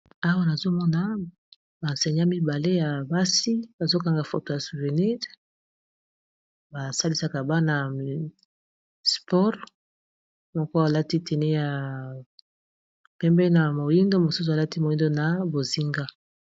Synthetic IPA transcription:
a˦wa˦na˨zo˦mɔ˦na˨ | ba˨nsɛ˨ɲa˦mi˦ba˨le˦ja˨ba˦si˦ba˨zo˦ka˨ŋɡa˨fo̰˨to˨ja˨su˨ve˨ni˦ʁ | ba˨sa˦li˦sa˦ka˨ba˦na˨ | spɔ˦ʁ | mɔ˦kɔ˦a˨la˦ti˦tɛ˨nɛ˦ja˨ | pɛ˦mbɛ˦na˨mo˨ji˦ndo˦mo˨su˦u˨a˨la˦ti˦mo˨ji˦ndo˦na˨bo˨zi˦ŋɡa˦

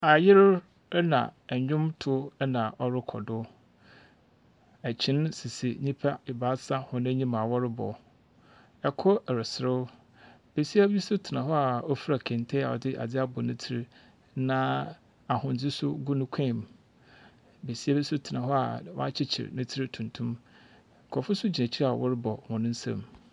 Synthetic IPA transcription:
a˨jɪ˦ɾ | nã̰˨ɛ˨ɲᶣʊ̃˦mtʰʊ˦nã˨ʔɔ˦ɾɪ˦kʰɔ̰˨dʊ˦ | æ˨t͡ɕʰɪ̃˦n˦sɪ˨sḭ˨ɲĩ˦pʰa˦ɪ˨ba˦sa˦hɔ̃˨ñ˦ɲĩ˦mã˨wɔ˦ɾɪ˦bɔ̰˨ | ɛ˨kʰɔ˦ɛ˨ɾɪ˨sɪ˨ɾɪ˦ | b̥e˨si˦a˦bi˦sʊ˦tʰɪ˨nã˨ɦɔ˦a˨o˦fɾa˨kʰɛ̃˨ntʰɛ˦a̰˨ɔ̰˨dɪ˦ʔa̰˨d͡zɪ˦a˦bɔ˨nɪ̃˦tʰɪ˦ɾɪ˦ | nã˦ | a˨hʊ̃˨n˨d͡zɪ˦sʊ˦ɡʊ˦nʊ̃˦kʷʰɛ̃˦˨m˨ | be˨si˦a˦bi˦sʊ˦tʰɪ˨nã˨ɦɔ˦a̰˨wɔ̰˦a˦t͡ɕʰɪ˦t͡ɕʰɪ̰˨ɾnɪ̃˦tʰɪ˦ɾɪ˦tʰũ˨n˨tʰũ˦m˨ | kʰɔ˨fʊ˦sʊ˦d͡ʑi˨næ̃˨t͡ɕʰi˦ɾa̰˨wʔɔ̰˦ɾɪ˦bɔ˨hʊ̃˨nʊ̃˦n̩˦sã̰˦m

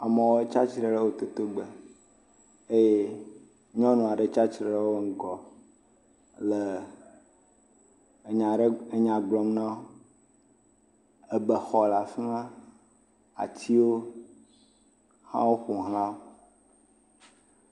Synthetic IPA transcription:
a˨mə̃˨wo˦e˦t͡ʃa˦t͡ʃɾe˨ɖə˦wo˦t̪o˨t̪o˦ɡ͡be˨ | e˦je˦ | ɲɔ̃˦nũ˨a˨ɖə˨t͡ʃa˦t͡ʃɾe˨˦e˦wo˦ŋ̩˦ɡɔ˨ | lə˨ | ɲa˨ɖe˦ɲã˨ɡ͡blɔ˨mnã˦o˦ | e˦bə˨xɔ˨la˨fi˦nã˦ | a̰˨t͡ɕi˦wo˦ | hã̰˦wo˦ɸu˨ɦla˦o˦

